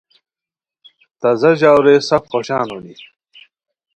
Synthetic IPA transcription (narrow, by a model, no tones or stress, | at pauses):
t̪ɐzɐʑaːwɾesɐfχoɕaːnuni